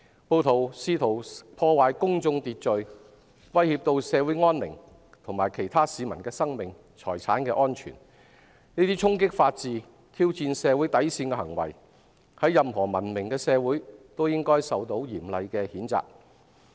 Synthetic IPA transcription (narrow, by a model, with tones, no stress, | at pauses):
po˧wt̪ʰo˨˩wsiː˧t̪ʰo˨˩wpʰɔː˧waː˨jkʊ˥ŋt͡sʊ˧ŋt̪iː˨t̚t͡ʃɵ˨˧ɥ | wɐ˥jhiː˧p̚t̪o˧wsɛː˨˧wuː˨˥jŋɔː˥nlɪ̰˨˩ŋ | t̪ʰʊ˨˩ŋmaː˨jkʰe˨˩jt̪ʰaː˥siː˨˧mɐ̰˨˩nkɛː˧sɐ˥ŋmɪ˨ŋ | t͡sʰɔː˨˩jt͡sʰaː˨˥nkɛː˧ʔɔː˥nt͡ʃʰy̰ː˨˩n | niː˥t̪iː˥t͡sʰʊ˥ŋk̬ɪ˥k̚faː˧t̚t͡siː˨˧ | t̪ʰiː˥wt͡siː˧nsɛː˨˧wuː˨˥jt̪ɐ˨˥jsiː˧nkɛː˧hɐ˨˩ŋwɐ̰˨˩j | hɐ˨˥jɐ˨mɦɔː˨˩mɐ˨˩nmɪ˨˩ŋkɛː˧sɛː˨˧wuː˨˥jt̪o˥wjɪ˥ŋkɔː˥jsɐ˨wt̪o˨˥wjiː˨˩mlɐ˨˧jkɛː˧hiː˨˥nt͡sa̰ː˨k̚